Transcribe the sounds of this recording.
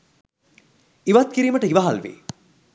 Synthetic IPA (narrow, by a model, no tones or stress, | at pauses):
iʋat̪̚kiɾiːməʈəiʋaɦalʋḛː